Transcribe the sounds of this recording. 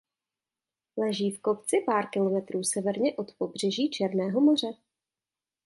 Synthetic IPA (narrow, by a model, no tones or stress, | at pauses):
lɛʒiːfko̞pt͡sɪpaːɾkɪlo̞mɛt̪ɾuːsɛvɛɾɲɛʔo̞t̪po̞br̝ɛʒiːt͡ʃɛɾnɛːɦo̞mo̞r̝ɛ